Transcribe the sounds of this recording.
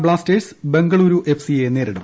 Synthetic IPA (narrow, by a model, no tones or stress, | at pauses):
bɭaːsteːɖsbeŋɡɐɭuɾuʔe̞fʰsieneːɾɐɽu